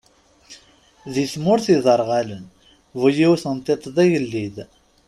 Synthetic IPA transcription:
ðiθmʊɾθiðˤəɾˤʁælən | vujiwθənt̪ˤet̪ˤd̪ˤæjəlːið

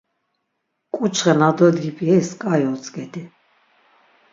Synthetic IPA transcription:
kʼut͡ʃʰχɛnad̪ɔd̪ɡipʰʼjɛiskʼajɔt͡sʼɡɛd̪i

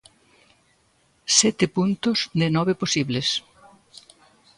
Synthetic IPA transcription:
sɛt̪ɪpunt̪ʊzd̪ɪnɔβeposiβles

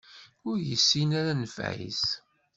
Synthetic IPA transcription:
ʊɾjəsːinaɾanəfʕḭs

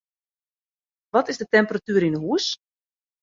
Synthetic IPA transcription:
ʋɔtɪzdətɛmpəratyəɾinəɦuəs

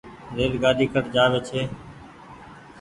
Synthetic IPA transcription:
ɾeːlɡaːɗiːkʰəʈd͡ʒaːʋeːt͡ʃʰeː

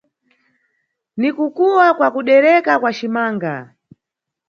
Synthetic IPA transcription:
nikukuwakwakuɗɛɾɛkakwat͡ʃimaːŋɡa̰

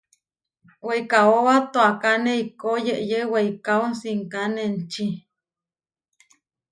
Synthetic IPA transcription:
weikaowat̪oakaneikojeʔjeweikaonsiŋkanent͡ʃi

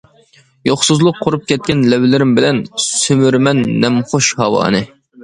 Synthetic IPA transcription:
joχsuzlˠʊqʰːʊɾup̚kʲʰɛt̪̚kʲɛnlɛwlɪɾɪmbɪlɛnsømyɾmɛnːɛmχoʃhɑwɑ̰ːnɨ

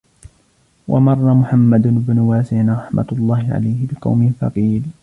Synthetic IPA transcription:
wʔɑ̰mɑrˤːɑmʊħamːad̪ɪbnʊwaːsaːnɾˤɑħma̰t̪ʊlˤːɑːhɪʕa̰lajhɪbɪqɑ̰wmɪfɑ̰qiːl

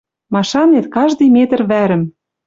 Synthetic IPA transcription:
mɑʃɑnet̪kɑʒd̪ɤjmet̪ə̆rβæɾɘ̆m

